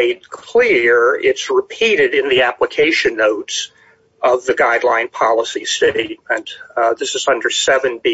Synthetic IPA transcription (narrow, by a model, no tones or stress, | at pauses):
eɪd̚kʰl̥ɪɹɪtsɹɨpʰiɾɨɾɨ̃nðiæpləkʰeɪʃɨ̃nːoʊts | ʌvðɨɡaɪdˡlã̰ɪ̃npʰɑlˠəsisteɪt̚mɨ̃nðɪsɨzʌ̃ndə˞sɛvɨ̃nbi